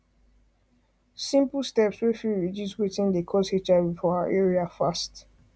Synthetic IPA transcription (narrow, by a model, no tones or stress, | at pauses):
sĩmpl̩ˠstɛpswifiɹiduswetĩndəkʰɔshet͡ʃabifɔaa̰ʔɛɹiafast